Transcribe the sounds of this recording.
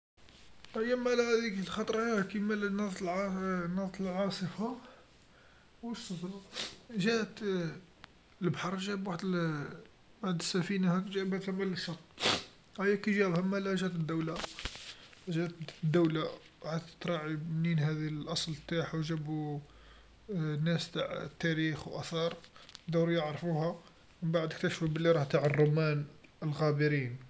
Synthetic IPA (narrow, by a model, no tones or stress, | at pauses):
æjæmælhæd̪iklxɑt̪ˤɾˤɑkimælnɑˤt̪lnɑˤt̪əlʕɑsˤəfa | wəsːəfɾʒæʔt̪ | əlbħɑɾˤʒæbwaħd̪ | waħd̪əsːæfinahækʒæʔbaʕd̪lmæləʃːɑt̪ˤː | hæjːækiʒæbhæmælæʒæt̪əd̪ːæwla | ʒæt̪d̪ːəwla | wħat̪t̪ɾˤɑʕininhæd̪ilʔɑsˤlt̪aħwʒæbu | nːæst̪aʕt̪ːæɾixwʔæθɑɾˤd̪uwɾjəʕɾˤfuhæ | mənbaʕd̪ək̚t̪æʃfubəlːiɾˤɑht̪aʕərˤːomænəlɣæbəɾin